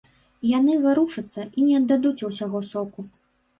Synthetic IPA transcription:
janɨvɨɾuʂɐt̪sːɐʔinʲɛɐd̪ːad̪ut͡sʲuwsʲaɣɔsɔku

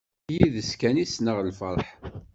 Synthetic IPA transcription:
jiðəskænisnəʁlfəɾˤħ

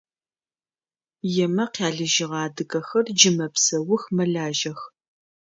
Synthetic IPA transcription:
jɛmɐqaːɮɨʒɪʁɑːdɨkɐxɐrd͡ʒɪmɐpsɐwʊxmɐɮaːʒɐx

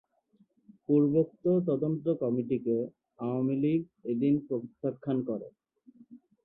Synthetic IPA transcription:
puɾbot̪ːot̪̬ɔd̪ont̪okɔmiʈike | aoamiliɡ̚ | ed̪inpob̪it̪ʰːakʰːankɔɾḛ

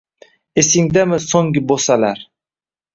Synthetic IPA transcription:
esɪŋd̪amɪsoŋɡɪbosalaɾ

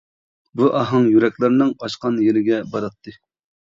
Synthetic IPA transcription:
buʔɑɦɨŋjyɾɛkʲlɪɾnɨŋqɑʃqɑnjeɾɪɡʲɛbɑɾɑt̪ʰːɨ

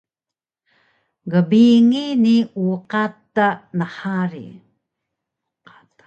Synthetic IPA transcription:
ɡəbiŋiniuqatːanəħaɾḭ

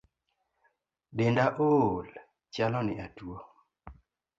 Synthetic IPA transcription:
bendaʔol | t͡ʃjalɔniʔatuɔ

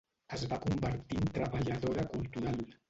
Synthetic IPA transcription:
əzβakumbəɾt̪int̪ɾəβaʎaðoɾakulˠt̪uɾalˠ

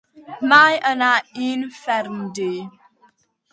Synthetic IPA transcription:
majʔənainfɛɾndi

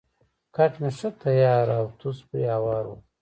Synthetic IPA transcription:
kʰaʈnaʃɐt̪ʰɐjaːɾawt̪uspɾḭawaːɾo̰

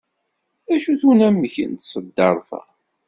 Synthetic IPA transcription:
æʃuθunæmːəçə̰nt̪sˤəd̪ːɑɾˤθæ̰

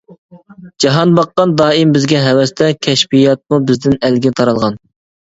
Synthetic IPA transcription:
d͡ʒɑɦɑnbɑqːɑnd̪ɑːimbɪzɡʲɛɦɛwɛst̪ʰɛkʲʰɛʃpijɑt̪̚mubɪzd̪ɪnælɡʲɛt̪ʰɑɾɑlˠʁɑn

